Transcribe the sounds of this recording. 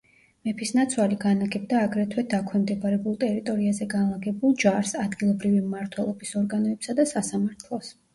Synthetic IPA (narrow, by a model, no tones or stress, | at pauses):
mɛpʰisnat̪sʰwaliɡanaɡɛb̚d̪aːɡɾɛt̪ʰwɛd̪akʰwɛmd̪ɛbaɾɛbulˠt̪ʼɛɾit̪ʼɔɾiazɛɡanlˠaɡɛbulˠd͡ʒaɾsad̪ɡilˠɔbɾivimːaɾt̪ʰwɛlˠɔbisɔɾɡanɔɛpsad̪asasamaɾt̪ʰlˠɔs